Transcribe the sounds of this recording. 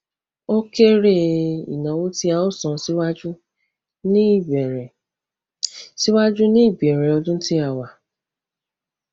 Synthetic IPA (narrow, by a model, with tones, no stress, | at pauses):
o˦ke˦ɾe˦ḭ˨nã˨˦wũ˦ti˦a˨o˦sɔ̃˨˦si˦wa˦d͡ʒu˦ | nĩ˦˨bɛ˨ɾɛ˨ | si˦wa˦d͡ʒu˦nĩ˦i˦˨bi˨ɛ˨ɾɛ˨ɔ˧dũ˦n̩˦ti˦a˦˨wa˨